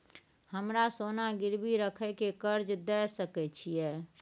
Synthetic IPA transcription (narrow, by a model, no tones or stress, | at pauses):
həmɾasonaɡiɾbiɾəkʰɛkekəɾd͡ʒd̪ɛsəkɛt͡ʃʰijɛ